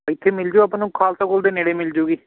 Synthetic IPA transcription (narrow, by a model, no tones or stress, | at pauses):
ɪt̪ʰːeːmɪld͡ʒoɐpːnũːkʰaːlsãkoːld̪eːneɽeːmɪld͡ʒoːɡiː